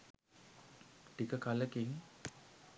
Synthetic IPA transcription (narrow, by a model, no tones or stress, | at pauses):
ʈikəkaləkiŋ